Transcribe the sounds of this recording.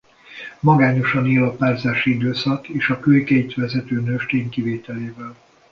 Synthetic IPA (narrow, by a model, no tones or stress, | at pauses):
mɒɡaːɲo̞ʃɒniːlɒpaːrzaːʃiid̪øːsɒkeːʃɒkøjkɛjt̪ʋɛzɛt̪øːnøʃt̪eːŋkiveːt̪ɛleːvɛl